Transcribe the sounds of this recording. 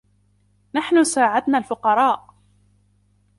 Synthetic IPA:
naħnʊsaːʕad̪naːlfʊqɑɾˤɑːʔ

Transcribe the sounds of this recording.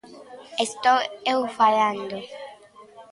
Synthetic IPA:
est̪oewfaland̪o

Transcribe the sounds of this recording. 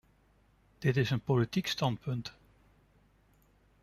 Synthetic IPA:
d̥ɪtɪsənpolitikstɑnt̚pɵnt

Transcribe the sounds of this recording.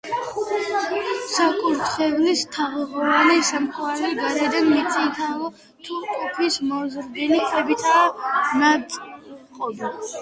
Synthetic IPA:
sakʼuɾt̪ʰχɛvnist̪ʰaʁɛʁɔanɛsamkʰʼwaɾliɡaɾɛd̪ɛmmit̪sʼint̪ʰalɔ | t̪ʰukʼɔpʰismɔzɾd̪ɛlikʰɛbit̪ʰaːnat̪ʼqʼɔb̪i

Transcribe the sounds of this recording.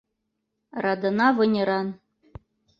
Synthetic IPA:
rɑd̪ɤ̆nɑvɤ̆nʲɤ̆ɾɑn

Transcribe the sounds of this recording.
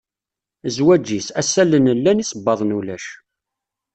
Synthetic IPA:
zwæd͡ʒːisæsælənəlːænisˤəbːɑðˤnulæʃ

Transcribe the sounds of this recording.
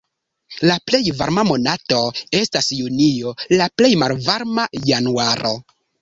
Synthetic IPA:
laple̞jva̰ɾmamo̞nato̞e̞stasjunijo̞laple̞jmalvaɾmajanuaɾo̞

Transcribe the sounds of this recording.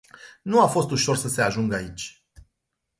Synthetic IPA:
nuafo̞st̪uʃo̞rsəse̞aʒuŋɡəait͡ʃʲ

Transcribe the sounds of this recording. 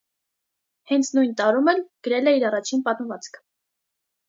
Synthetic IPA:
hɛnt͡sʰnujnt̪ɑɾumɛlɡ̥əɾɛlɛiɾɑrɑt͡ʃʰinpɑt̪məvɑt͡skʰ

